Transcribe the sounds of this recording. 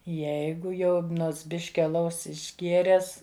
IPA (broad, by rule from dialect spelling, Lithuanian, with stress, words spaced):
ˈjɛɪɡʊ jɛʊ ˈnoːts ˈbʲɪʃʲkʲɪ ɐˈlˠɐʊs ɪʒʲˈɡʲeːrʲɛs